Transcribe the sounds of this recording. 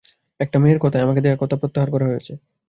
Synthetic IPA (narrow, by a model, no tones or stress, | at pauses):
ɛk̚ʈameɾkɔt̪ʰaeamaked̪ekakɔt̪ʰapɾot̪ːaɦaɾkɔɾaɦojet͡ɕʰe